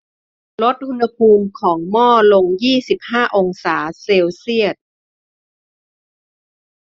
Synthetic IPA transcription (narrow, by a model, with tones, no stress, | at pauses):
lo˦˥t̪̚ʔu˧nha˧pʰuː˧mkʰɔː˩˦ŋmɔː˥˩lo˧ŋjiː˥˩si˨˩p̚haː˥˩ʔo˧ŋsaː˩˦seː˧wsi˥˩ət̪̚